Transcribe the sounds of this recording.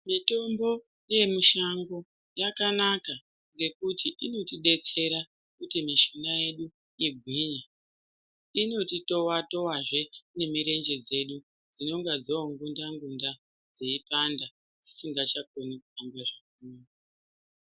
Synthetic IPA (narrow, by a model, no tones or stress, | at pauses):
mito̞mbo̞ | je̞muʃaŋɡo̞ | jakanaka | ŋɡe̞kutʰiʔino̞tiɗe̞t͡se̞ɾa | kutimiʃonaje̞ɗu | iɡʱwiːɲa | ino̞tito̞wato̞waʐe̞ne̞miɾe̞nd͡ʒe̞d͡ze̞ɗu | d͡zino̞ŋɡad͡zoŋɡundaŋɡunda | d͡zeipanda | d͡zisiŋɡat͡ʃak̚onikuambaʐak̚ura